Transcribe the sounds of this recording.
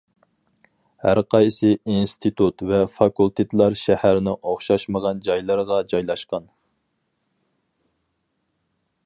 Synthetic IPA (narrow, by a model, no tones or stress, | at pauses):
hæɾqʰɑjsɨinst̪ʰit̪ʰut̪vɛfɑkulˠt̪ʰet̪ʰlˠɑɾʃæhæɾnɪʔoχʃɑʃməʁɑnd͡ʒɑjlˠɨɾʁɑd͡ʒɑjlˠɑʃqɑn